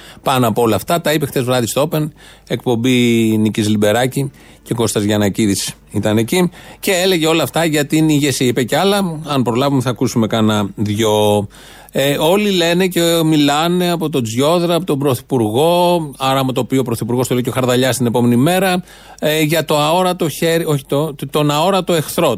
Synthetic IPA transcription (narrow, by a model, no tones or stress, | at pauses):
pɐnoɐpoo̞lɐft̪ɐt̪ɐipext̪e̞zvɾɐðist̪o̞pe̞n | e̞kpo̞mbinicizlibe̞ɾɐci | ce̞ko̞st̪ɐzʝɐːnɐciðis | it̪ɐne̞cice̞eleʝeo̞lɐft̪ɐʝɐt̪iniʝesiipeceɐlɐɐnpɾo̞lɐvumeθɐkusume̞kɐnɐðʝo | eo̞lile̞necemilɐne̞ɐpo̞t̪o̞d͡zjo̞ðɾɐːpot̪obɾoθi̥puɾɣo̞ɐɾɐmot̪oːpiuopɾoθipuɾɣo̞st̪olejcoxɐɾðɐʎɐst̪ine̞po̞me̞nime̞ɾɐ | ʝɐt̪o̞ɐo̞ɾɐt̪o̞çe̞ɾio̞çi̥t̪ot̪o̞nɐo̞ɾɐt̪o̞e̞xθɾo̞